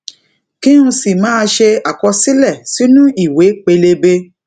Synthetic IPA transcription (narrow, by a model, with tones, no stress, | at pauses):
kĩ˦ɾũ˧si˨mãː˨˦˧ʃe˧a˨kɔ˧si˦lɛ˦˨si˨˦nũ˦i˦˨we˨˦k͡pe˧le˧be˧